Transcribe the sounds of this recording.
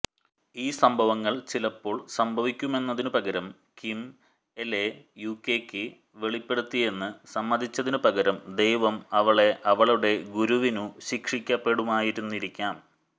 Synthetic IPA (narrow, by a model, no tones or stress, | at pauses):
iːsɐmbʱɐʋɐŋːɐɭt͡ɕilɐpːo̞ːɭsɐmbʱɐʋikʲːume̞nːɐðinɨpɐɡɐɾɐm | kim | ele | jukːeːkʲːɨ | ʋe̞ɭipːe̞ɽut̪ːije̞nːɨsɐmːɐd̪ʱit͡ɕːɐðinupɐɡɐɾɐmd̪ejʋɐmɐʋɐɭe̞ʔɐʋɐɭuɽe̞ɡuɾuʋinuɕikʂikʲːɐpːe̞ɽumaːjiɾunːiɾikʲːaːm